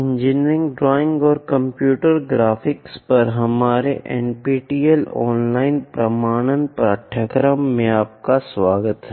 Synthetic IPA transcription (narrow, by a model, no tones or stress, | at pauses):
ɪ̃ɲd͡ʒɪnɪ̃ŋɡɖɾɔːɪ̃ŋɡɔːɾkɐ̃mpjuːʈəɾɡɾaːfʰɪkspɐɾɦɐmaːɾeʔɛ̰̃ːnpiːʈiːelɔ̰ːnlaːɪnpɾɐmaːɽ̃ənpɾaʈʰəkɾəmːẽaːp̚kasʋaːɡət̪ɦɛ